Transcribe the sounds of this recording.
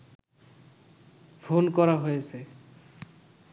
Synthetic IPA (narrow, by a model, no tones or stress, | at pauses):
fʰonkɔɾaɦojesʰe